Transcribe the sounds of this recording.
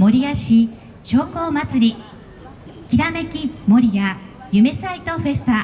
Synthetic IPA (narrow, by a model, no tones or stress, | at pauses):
mo̞ɾʲijaɕi | ɕo̞ːko̞ːmat͡sɨɾʲi | kʲiɾame̞kʲimo̞ɾʲiɡa | jɯ̟me̞sait̪o̞ɸe̞sɨ̥t̪a